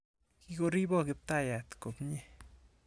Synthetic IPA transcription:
ki˦ɡo˧ɾi˦bo˦ɡi˧p̚t̪a˦ja˨t̪ko˨bɲe˦

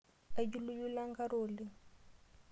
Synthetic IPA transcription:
a˦d͡ʒu˦lu˦ju˦la˦ŋɡa˦ɾoːli˦

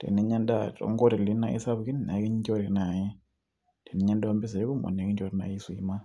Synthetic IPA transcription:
tḛ˨ne˦ɲa˦nda˦to̰˨ŋɡo˦ɾe˨li˦na˦ḭ˦sa˦βki˦n˨ne˨˦ki˦ɲ˦ɲd͡ʒo˦ɾe˨na˨ji˦ | te˨ne˨˦ɲa˦nda˦mbi˦s̬e˨ɾe˦ku˦mo̰˨ne˨ki˦ɲd͡ʒo˦ɾna̰˨i˦swḭ˨ma˦

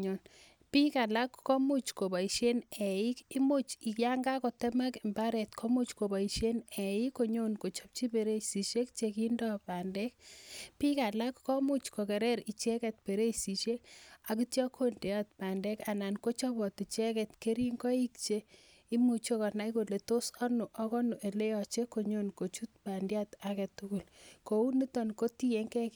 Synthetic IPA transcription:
ɲo˨n | pi˦ka˨la˦kːɔ˦mu˦t͡ʃko˨ba˨i˨ʃe˦ne˨i˦ki˦mu˦t͡ʃi˨kja˦ŋɡa˦ko˨te˦ma˦kɪ˨mba˦ɾɛ˨tkʰɔ˦mu˦t͡ʃko˨bɔ˨i˨ʃe˦nɛ˨i˦kːo˨ɲo˦nko˨t͡ʃɔ˦p̚t͡ʃi˦pe˨ɾe˦si˨ʃe˦kt͡ʃekindɔ˦pa˨ndɛ˦k̚pi˦ka˨la˦kːɔ˦mu˦t͡ʃko˨kɛ˨ɾɛ˦ɾi˨t͡ʃɛ˦kɛ˨t̚pe˨ɾe˦si˨ʃe˦ka˨ki˦tjɔ˦kʰo˦nde˨a˦tpa˨ndɛ˦ka˨na˨nko˦t͡ʃɔ˦bɔ˨ti˨t͡ʃɛ˦kɛtke˦ɾi˦ŋɡɔ˦i˦kt͡ʃe˦ | i˦mu˨t͡ʃo˦kɔ˨na˦iko˨le˨to˦sɔ˦nu˨ʔɔ˦kɔ˦nu˨ʔe˨le˦jɔ˨t͡ʃe˦ko˨ɲo˦nko˨t͡ʃu˦t̚pa˨ndjatakɛ˨tuku˨lko˨u˦ni˦tɔ˨nko˦ti˦e˦ŋkɛk

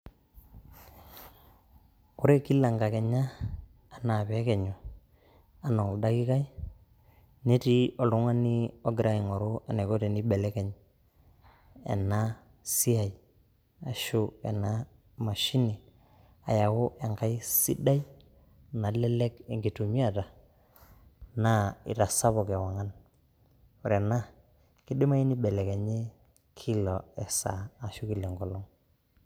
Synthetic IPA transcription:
u˦ɾe˦ki˦la˨ŋɡa˨ke˨ɲaː˦˨ | na˨βe˨˦ke˨ɲo˨ | a˨na˨da˦ki˦ka˦j | ne˦ti˦o˨lu˦ŋa˦ni˦o˦ɡɾa˦i˨ŋo˨ɾo˦a˨ne˨ko˦te˨ni˦be˨le˦ke˨ɲ | ḛ˨na˦ | si˦a˨j | a˨ʃu˦ḛ˨na˦ | ma˨ʃi˦ni˨ | a˨ja˨wʊ˦ʔe˨ŋka˦i˦si˦da˦j | na˨lɛ˦le˦ke˨ŋɡi˨tu˨mi˦a˨ta˨ | na˦ḭ˨ta˨sa˦bɔ˨ke˨wa˨ŋa˦n | o˨ɾe˨na˦ | ki˦dɪ˦ma˦i˦ni˦bɛ˨le˨ke˨ɲe˦ | kʰi˦lɔ˨ɛ˨sa̰ː˨ʃu˦ki˨le˨ŋɡɔ˨lɔ˦ŋ

